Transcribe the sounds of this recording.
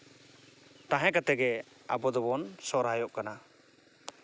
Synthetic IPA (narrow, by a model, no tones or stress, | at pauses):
t̪ãɦɛkat̪ɛɡɛ | a̰bɔd̪ɔbɔnsɔɾajɔʔkana